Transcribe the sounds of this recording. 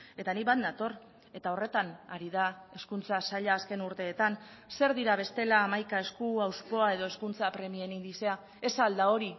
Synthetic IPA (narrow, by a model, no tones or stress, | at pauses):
e̞t̪aniβand̪at̪o̞r | e̞t̪ao̞re̞t̪anaɾiðae̞skunt͡sasaʎaːske̞nuɾt̪e̞ːt̪anse̞ɾðiɾaβ̞e̞st̪e̞laːmajkae̞skuawspo̞ae̞ðo̞e̞skunt͡sapɾe̞mie̞nind̪ise̞a | e̞sald̪ao̞ɾi